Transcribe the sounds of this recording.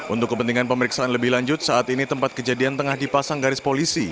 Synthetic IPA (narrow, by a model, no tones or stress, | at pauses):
ʔṵnt̪ʊkːəpənt̪iŋanpəməɾiksaʔanləbɪhlaɲd͡ʒʊt̪̚saʔat̪init̪əmpat̪̚kəd͡ʒadiant̪əŋahdipasaŋɡaɾɪspolisi